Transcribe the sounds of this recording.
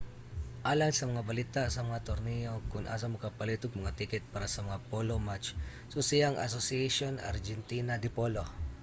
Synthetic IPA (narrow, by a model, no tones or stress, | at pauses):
ʔaːlaŋsɐmɐŋabɐlit̪aʔsɐmɐŋat̪oɾnijokʊnʔa̰s̬ɐmʊkapɐliːt̪ʊɡ̚mɐŋat̪ikɛt̪̚paɾasɐmɐŋapolomat͡ʃ | sosɪjaŋʔa̰sosɪɛʃona̰ɾd͡ʒɛnt̪iːnad̪ɪpolo